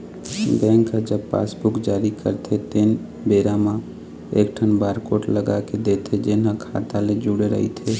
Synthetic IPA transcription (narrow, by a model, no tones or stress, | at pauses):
bɛ̃ːŋkd͡ʒəbpa̰ːsbʊkd͡ʒaːɾikə̰ɾt̪ʰet̪ɪn | beːɾamã | eːkʈʰənbaːɾkoːʈləɡaked̪eːt̪ʰed͡ʒɪnɦãkʰa̰ːt̪aled͡ʒuɽeɾə̰ɦḭt̪ʰeː